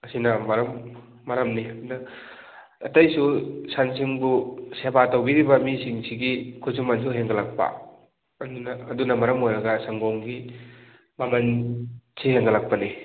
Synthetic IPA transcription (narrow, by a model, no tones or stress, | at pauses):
ɐsinɐmɐɾɐmː | ɐɾɐmninɐ | ɐtɐjsusansiŋbusebatowbiɾibɐmisiŋsiɡikʰuzumans̬ʰuɦeŋɡɐlak̚pɐ̰ | ɐdunɐːdunɐmɐɾɐmojɾɐɡɐsaŋɡoŋɡi | mɐmɐnsiheŋɡɐlak̚pɐni